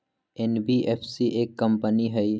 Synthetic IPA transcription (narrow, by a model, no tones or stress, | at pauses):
ɛnbiʔeːpʰsiʔeːkːɐ̃mpəniɦɛi